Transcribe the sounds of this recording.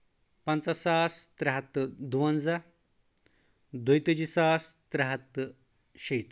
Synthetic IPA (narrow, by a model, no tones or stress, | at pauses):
pɐnt͡sasaːst̪ɾɐɦɐt̪ːd̪uwɐnd͡za | d̪ujt̪əd͡ʑisaːst̪ɾɐɦɐt̪ː | ɕejt̪